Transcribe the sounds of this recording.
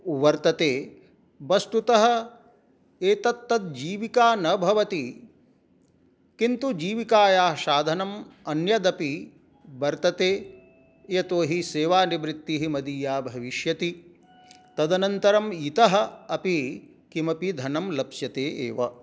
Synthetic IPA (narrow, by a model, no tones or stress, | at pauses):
ʋɐɾt̪ɐt̪eː | ʋɐst̪ut̪ɐɦɐ̆ | eːt̪ɐt̪ːɐt̪̚d͡ʒiːʋikaːnɐbʱɐʋɐt̪i | kint̪ud͡ʒiːʋikaːjaːʃaːd̪ʱɐnɐmɐnjɐd̪ɐpi | bɐɾt̪ɐt̪eː | jɐt̪oːɦiseːʋaːnibɾit̪ːiɦimɐd̪iːjaːbʱɐʋiʃjɐt̪i | t̪ɐd̪ɐnɐnt̪ɐɾɐmit̪ɐɦɐ̆ɐpi | kimɐpid̪ʱɐnɐmlɐpsjɐt̪eːʔeːʋɐ